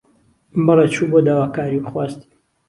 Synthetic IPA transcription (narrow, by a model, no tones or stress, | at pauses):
mbɨlet͡ʃʰubod̪aːwaːkaːɾiwxwaːst̪